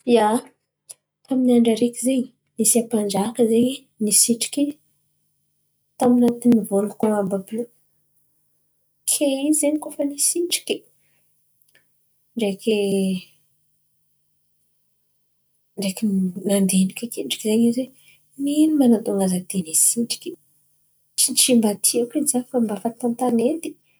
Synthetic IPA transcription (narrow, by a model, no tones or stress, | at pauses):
ja | aminaɳɖ͡ʐaɾekʲizeɲi | nisiapand͡ʒakəzeɲi | nisiʈ͡ʂi̥ki | t̪aminat̪inivolukoambabu | kʰeizeɲikofənisiʈ͡ʂi̥kʲi̥ | ɳɖ͡ʐekʲi | ɳɖ͡ʐekinand̪enikʲakeɳɖ͡ʐi̥kizeɲizwe | milimanat̪oŋazad̪enesiʈ͡ʂi̥kʲi̥ | t͡ʃit͡ʃimbat̪ʰiakizafambafat̪ant̪anet̪i̥